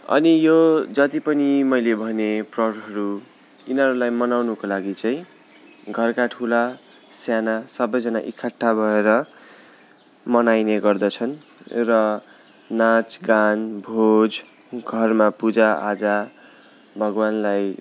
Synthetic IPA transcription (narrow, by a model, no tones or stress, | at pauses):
ʌ̰nijod͡zʌt̪ipʌnimʌjlebʱʌneprʌɽɦʌɾu | inʌɾulajmʌnawnukolaɡit͡sʌĩ | ɡʱʌrkaʈʰula | sjanasʌbʌjd͡zʌna̰ʔikʰːaʈʰːabʱʌeɾʌ | mʌnajneɡʌrd̪ʌt͡sʰʌn | rʌ | nat͡sɡanbʱod͡z | ɡʱʌrmapud͡zaad͡za | bʱʌɡwanlaj